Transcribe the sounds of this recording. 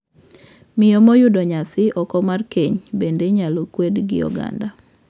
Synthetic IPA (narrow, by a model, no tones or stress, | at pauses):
mɪjomojʊdɔɲasɪʔɔkɔmarkeɲbendeɲalokwedɡɪ̰jɔ̰ɡa̰nda